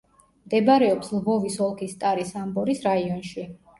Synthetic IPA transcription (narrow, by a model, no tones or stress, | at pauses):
md̪ɛbaɾɛɔpslvɔvisɔlˠkʰist̪ʼaɾisambɔɾisɾaiɔnʃi